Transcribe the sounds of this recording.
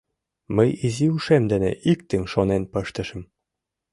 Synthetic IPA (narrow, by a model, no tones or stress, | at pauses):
məjiziuʃemd̪ɘ̆nḛʔik̚t̪ɘ̆ŋʲʃonenpɤ̆ʃt̪ə̆ʃə̆m